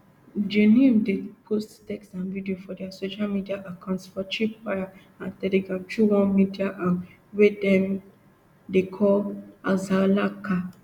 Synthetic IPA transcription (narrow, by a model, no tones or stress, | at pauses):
d͡ʒenimdepʰosttɛkstãnvidiofɔdɛasoʃalmidiaʔakãʊ̃ntsfɔt͡ʃipaɹa | ãntɛlɛɡɹãmt͡ʃuɹɔ̃midiaʔa | wedɛ̃m | dekʰɔlazalaka